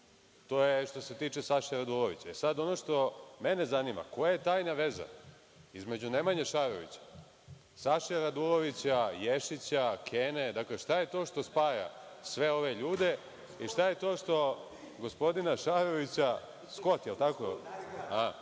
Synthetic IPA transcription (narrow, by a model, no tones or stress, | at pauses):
t̪o̞ːjeʃt̪o̞se̞t̪iːt͡ʃe̞saʃaɾad̪uloʋḭt͡ɕaesad̪o̞noʃt̪o̞mene̞zanima̰ko̞jajet̪aːjnaʋe̞za̰ | izme̞d͡ʑunemaɲeʃaɾo̰ʋḭt͡ɕḁ | saʃaɾad̪uloʋit͡ɕajeʃit͡ɕakʰene̞d̪akleʃt̪aje̞t̪o̞ːʃt̪o̞spaːja̰ | sʋe̞o̞ʋe̞ʎuːd̪e̞ | iʃt̪aje̞t̪o̞ːʂt̪o̞ | ɡo̞spo̞d̪inaʃaɾoʋit͡ɕa | sko̞t̪jelˠt̪akoa